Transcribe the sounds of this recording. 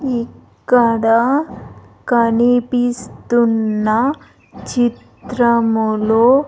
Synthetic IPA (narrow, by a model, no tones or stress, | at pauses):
ikːɐɽa | kɐnipist̪unːɐ | t͡ʃit̪ɾɐmuloː